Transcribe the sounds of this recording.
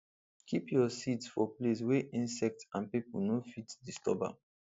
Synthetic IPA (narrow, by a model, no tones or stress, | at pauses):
kʰipjɔsitsfɔples̬wɛʔĩnsɛk̚tãnpipulnofitdistɔ̰ba̰